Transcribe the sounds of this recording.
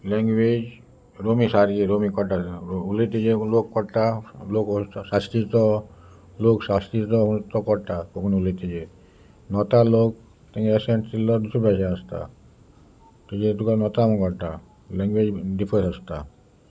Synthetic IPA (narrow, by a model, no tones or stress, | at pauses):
lɛŋɡwed͡ʒ | ɾomisaɾɡeɾomikɔʈaulet̪id͡ʒelokːɔɾʈ̪aloksast̪it̪ɔ | loksast̪it̪ɔunt̪ɔkɔɾʈ̪akɔkʰɔnulet̪id͡ʒe | nɔt̪alok̚ | t̪ɛŋɛseɳʈtilɔd̪usubʱasaast̪a̰ | t̪ud͡ʒet̪ukanɔt̪amɔkɔɾʈ̪a | lɛŋɡwed͡ʒɖipʰəɾsast̪a̰